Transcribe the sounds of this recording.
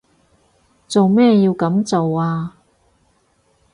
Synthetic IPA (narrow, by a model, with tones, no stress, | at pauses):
t͡so˨wmɛː˥jiː˧wkɐ˨˥mt͡so˨waː˧